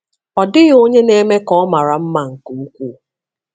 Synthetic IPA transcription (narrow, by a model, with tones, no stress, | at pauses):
ɔ˨dɪ˦ɣo˦ɲe˦ne˦me˦kɔ˦ma˨ɾa˨m̩˦ma˨ŋ̩˨ku˨u˦kʷu˦˨